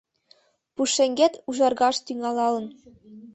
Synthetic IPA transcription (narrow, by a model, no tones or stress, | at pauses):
puʂːɘ̆ŋʲɡʲet̪ʲuʒɑrɡɑʃt̪yŋɑlˠɑlɤ̆n